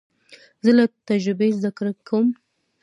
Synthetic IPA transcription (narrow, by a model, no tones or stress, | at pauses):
zəlat̪ad͡ʒɾɪbezd̪aklkʰawəm